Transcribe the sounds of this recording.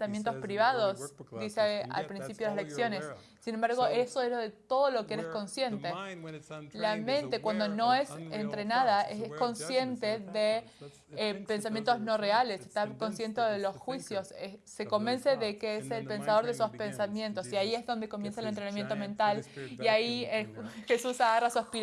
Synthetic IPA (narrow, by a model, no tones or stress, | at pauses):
amjent̪̬o̞spɾiβað̞o̞sd̪isea̰lpɾinsipjoðeasleksjo̞ne̞sː | inembaɾɣoesoezloðet̪o̞ð̞o̞lo̞keeɾesko̞nsje̞nt̪e | lamẽ̞nt̪e̞kwand̪o̞no̞e̞sent̪ɾe̞nað̞aesko̞nsje̞nt̪eðe | epe̞ns̬amjent̪ozno̞re̞aleseht̪ako̞nsje̞nt̪eðelo̞sxwisjo̞seːe̞ko̞mbe̞nse̞ðekeeselpe̞nsað̞o̞ɾðesospe̞nsamje̞nt̪o̞siaiezðond̪eko̞mje̞nsaelent̪ɾenamje̞nt̪o̞mẽ̞nt̪aliai | xe̞susaɣarasuaspi